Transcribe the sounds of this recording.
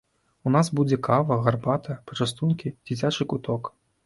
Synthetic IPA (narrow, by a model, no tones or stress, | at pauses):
unasbud͡zʲɛkʰavɐɣarbat̪ɐpɔ̥t͡ʂast̪unkʲid͡zʲit͡sʲat͡ʂɨkut̪ɔk